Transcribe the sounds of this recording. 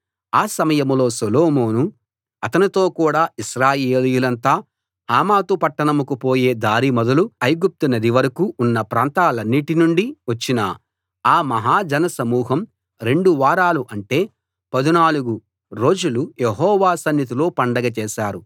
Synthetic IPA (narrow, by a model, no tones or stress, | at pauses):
aːsɐmɐjɐmlo̞ːsɐloːmoːnu | ɐt̪ɐnit̪o̞ːkuːɽaːiʃɾaːjeeːlijulɐnt̪aː | haːmaːt̪upɐʈːɐɳɐmukupo̞ːje̞ːd̪aːɾimɔd̪ɐluɐjɡup̚t̪unɐd̪iʋɐɾɐkuːnːɐpɾaːnt̪aːlɐnːiʈinuɳɖiʋɐt͡ʃːinɐ̰ | aːmɐɦaːd͡ʒɐnɐsɐmuːɦɐm | ɾe̞ɳɖuʋaːɾaːluʔɐɳʈe̞ː | pɐd̪inaːluɡu | ɾo̞ːd͡ʒulujeɦɔːʋaːsɐnjɐt̪̬ilo̞ːpɐɳɖɐɡɐt͡ʃɛːʃaːɾu